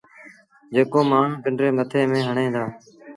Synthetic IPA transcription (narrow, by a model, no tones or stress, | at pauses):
d͡ʒeːkoːmaːɳ̤ũːpɪɳɖɾeːmət̪ʰeːmẽːɦəɳẽːd̪aː